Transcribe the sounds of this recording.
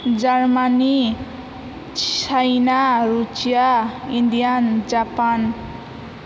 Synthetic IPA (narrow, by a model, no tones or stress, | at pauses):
d͡zarmani | t͡sajnarut͡sijaind̪ijand͡zapan